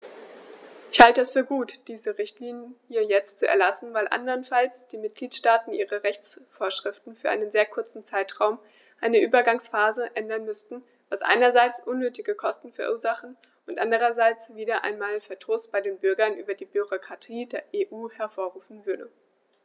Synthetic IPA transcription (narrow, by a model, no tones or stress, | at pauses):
ʔɪçhaltəɛsfyːɐɡuːtd̥iːzəʁɪçtliːnjənhiːɐjɛt͡stt͡suɛɐlasn̩vaɪlʔa̰ndɐʁnfalsd̥iːmɪt̚ɡ̥liːtʃtaːtn̩ʔiːʁəʁɛçt͡sfoːɐʃʁ̥ɪftn̩fyːɐʔaɪnənzeːɐkʰʊɐt͡sn̩t͡saɪtʁ̥aʊm | ʔaɪnəʔyːbɐɡaŋsfaːzəʔɛndɐnmʏstn̩ | vasʔa̰ɪnɐzaɪt͡sʔʊnːøːtɪɡəkʰɔstn̩fɛɐʔuːɐzaχn̩ | ʔʊntʔandəʁ̞ɐzaɪt͡sv̥iːdɐʔa̰ɪnmaːlfɛɐtʰoːsb̥aɪdeːnbʏɐɡɐnʔy̰ːbɐdiːbyʁokʁ̥atʰiːdeːɐʔeːʔuːhɛɐfoːɐʁuːfn̩vʏɐdə